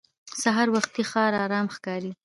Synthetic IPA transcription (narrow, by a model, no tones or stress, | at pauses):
saɦɑɾwaxt̪ixɑɾɑɾɑmxkɑɾi